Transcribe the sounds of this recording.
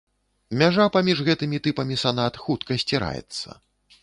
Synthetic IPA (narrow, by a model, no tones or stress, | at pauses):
mʲaʐapamʲiʐɣɛt̪ɨmʲit̪ɨpɐmʲisanat̪xut̪kɐsʲt͡sʲiɾa̰jɛ̰t̪sːɐ̰